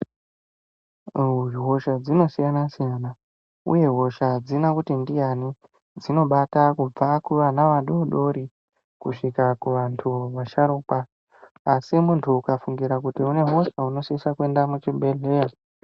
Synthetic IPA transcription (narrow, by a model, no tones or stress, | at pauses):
iɦo̞ʃad͡zino̞sijanasijaːna | ṵje̞ɦo̞ʃad͡zinakutindijani | d͡zino̞ɓatakub͡vakuʋanaʋaɗoɗo̞ɾi | kuʂikakuʋantʰuʋaʃaɾuːkwaː | simuntʰuːkafuŋɡiɾakutiune̞ɦo̞ʃauno̞sisakwe̞ndamut͡ʃibʱe̞ɮe̞ja